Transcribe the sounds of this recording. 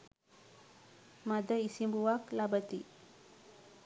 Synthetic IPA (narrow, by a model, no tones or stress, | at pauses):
mad̪ʱəisimbuwaklabət̪i